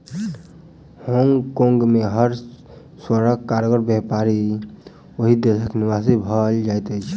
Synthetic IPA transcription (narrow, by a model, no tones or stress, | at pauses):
hoŋɡkõŋɡmeɦəɾ | swəɾəkːaɾɡəɾbɛɦpaɾi | əɦid̪esəknɪʋasibʱəld͡ʒajt̪ɛt͡ʃʰ